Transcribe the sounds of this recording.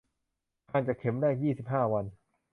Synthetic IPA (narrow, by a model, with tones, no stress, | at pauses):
kʰaː˧nt͡ɕa˨˩kʰːe˩˦mdaː˥˩jjiː˥˩si˨˩p̚ɦaː˥˩wa˧n